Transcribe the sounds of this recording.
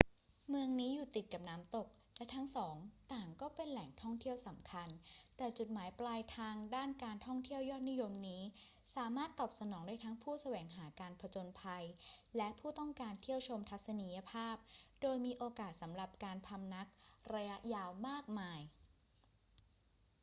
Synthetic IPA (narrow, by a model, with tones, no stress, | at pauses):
mɯ˧əŋniː˦˥juː˨˩t̪i˨˩t̪̚ka˨˩p̚naː˦˥mt̪o˨˩k̚lɛ˦˥t̪ʰa˦˥ŋsɔː˩˦ŋt̪aː˨˩ŋkɔː˥˩pe˧nlɛ˨˩ŋt̪ʰɔ˥˩ŋt̪ʰi˥˩əwsa˩˦mkʰa˧nt̪ɛː˨˩t͡ɕu˨˩t̪̚maː˩˦jplaː˧jt̪ʰaː˧ŋdaː˥˩nkaː˧nt̪ʰɔ˥˩ŋt̪ʰi˥˩əwjɔː˥˩t̪̚ni˦˥jo˧mniː˦˥ | saː˨˩˦maː˥˩t̪ːɔː˨˩p̚sa˧nɔː˩˦ŋdaː˥˩jt̪ʰa˦˥ŋpʰuː˥˩sa˧wɛː˩˦ŋɦaː˩˦kaː˧npʰa˧t͡ɕo˧npʰa˧jlɛ˦˥ʔpʰuː˥˩t̪ɔ˥˩ŋkaː˧nt̪ʰi˥˩əwt͡ɕʰo˧mt̪ʰa˦˥t̪̚sa˧ni˧ja˧pʰaː˥˩p̚doː˧jmiː˧ʔoː˧kaː˨˩t̪̚sa˩˦mɾa˨˩p̚kaː˧npʰa˧mna˦˥k̚ɾa˧ja˦˥ʔjaː˧wmaː˥˩k̚maː˧j